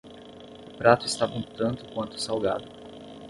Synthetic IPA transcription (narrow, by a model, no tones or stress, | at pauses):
ʊpɾat̪ʊɪst̪avɐ̃t̪ɐ̃nt̪ʊ̥kwɐ̃nt̪ʊ̥sawɡad̪ʊ